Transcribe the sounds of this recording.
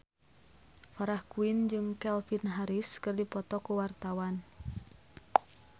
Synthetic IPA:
faɾahkuind͡ʒɨŋkɛlfinɦaɾiskɨrdipɔt̪ɔkuwart̪awan

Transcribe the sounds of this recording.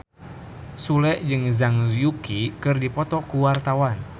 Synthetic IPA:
sulɛʔd͡ʒɨŋzaŋzjukikɨrdipɔt̪ɔkuwart̪awan

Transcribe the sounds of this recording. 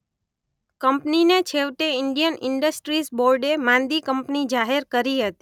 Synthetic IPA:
kəmpninet͡ʃʰeʋt̪eɪɳɖijənɪɳɖəsʈɾisboɾɖemãnd̪ikəmpnid͡ʒaɦeɾkəɾiɦət̪i̥

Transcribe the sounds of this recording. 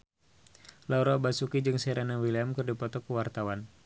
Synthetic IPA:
lauɾɔbasukid͡ʒɨŋsɛɾanawiliamkɨrdipɔt̪ɔkəwart̪awan

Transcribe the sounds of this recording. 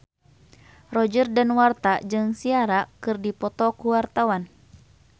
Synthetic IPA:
rɔd͡ʒərdanwart̪ad͡ʒɨŋsiaɾakɨrdipɔt̪ɔkuwart̪awan

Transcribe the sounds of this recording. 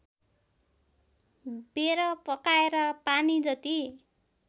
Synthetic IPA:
beɾʌpʌkaeɾʌpanid͡zʌt̪i

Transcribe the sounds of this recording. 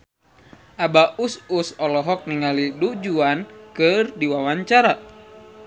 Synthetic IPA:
ʔabaʔususɔlɔɦɔk̚niŋalidud͡ʒuankɨrdiwawaɲt͡ʃaɾa

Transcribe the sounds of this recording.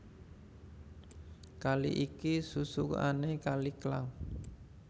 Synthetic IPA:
kalḭʔikisusuka̰nekaliklaŋ

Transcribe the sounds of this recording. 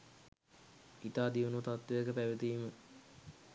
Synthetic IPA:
it̪aːd̪iunut̪at̪ʋejəkəpæʋət̪iːmə

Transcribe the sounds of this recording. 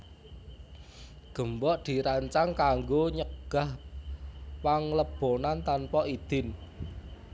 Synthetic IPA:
ɡ̥ə̤mbɔʔd̪̥i̤ɾaɲt͡ʃaŋkaŋɡoɲəɡ̥a̤h | paŋləb̥onant̪anpɔʔid̪̥ɪn

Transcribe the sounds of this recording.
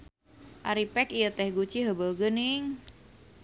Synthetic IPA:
ʔaɾipɛkijət̪ɛhɡut͡ʃiɦəbəlɡənɪŋ

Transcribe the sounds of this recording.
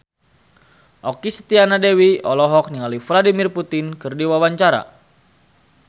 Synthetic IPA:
ʔɔkisə̥t̪ianadewiɔlɔɦɔk̚niŋalufladimirput̪ɪnkɨrdiwawaɲt͡ʃaɾa̰

